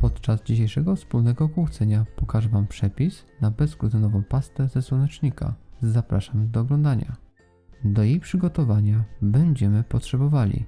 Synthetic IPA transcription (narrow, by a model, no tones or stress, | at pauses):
pɔt̪t͡ʂazd͡ʑiɕejʂɛɡɔfspulnɛɡɔːkwuxt̪sɛɲapɔkaʐɛvampʂɛpʲisnabɛskɾut̪ɛnɔvɔ̃w̃past̪ɛzɛswɔnɛt͡ʂɲika̰zapɾaʂamd̪ɔːɡlɔ̃nd̪aɲa̰ | d̪ɔjejpʂɘɡɔt̪ɔvaɲabɛɲd͡ʑɛmɘpɔtʂɛbɔvalʲḭ